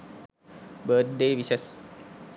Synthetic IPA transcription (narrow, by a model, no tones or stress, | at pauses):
bəːt̪̚ɖeːʋisəs